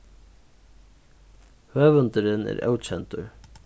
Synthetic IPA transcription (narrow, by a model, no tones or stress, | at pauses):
høːvʏnt̪ɪɾɪnɛ̰ɾɛ̰wt͡ɕʰɛnt̪ʊɹ